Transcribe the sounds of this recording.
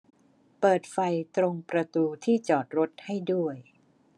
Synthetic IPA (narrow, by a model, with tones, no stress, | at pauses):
pɤː˨˩t̪̚fa˧jt̪ɾo˧ŋpɾa˧t̪uː˧t̪ʰiː˥˩t͡ɕɔː˨˩t̪̚ɾo˦˥t̪̚ha˥˩jdu˥˩əj